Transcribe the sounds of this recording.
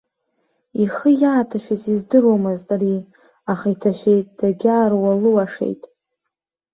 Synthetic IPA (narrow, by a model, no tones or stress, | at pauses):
iχəjaːtʰaʃᶣazizdɨrwamɨztʼaɾi | aχaitʰaʃʷᶣejtʼd̥aɡʲaːrwalɨwaʂḛjtʼ